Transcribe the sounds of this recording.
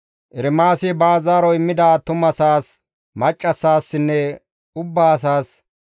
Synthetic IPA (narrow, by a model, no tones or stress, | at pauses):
ʔɪɾɪmaːsɪbaːzaːɾɔɪmːɪd̪aːt̪ʊmɐsaːs | mɐt͡ʃʼːɐsaːsːɪnːɛ | ʊbːaːɐs̬aːs